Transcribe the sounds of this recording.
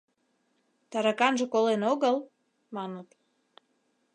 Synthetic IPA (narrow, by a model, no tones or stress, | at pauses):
t̪ɑɾɑkɑnʒĕkolenoɣəl | mɑnət̪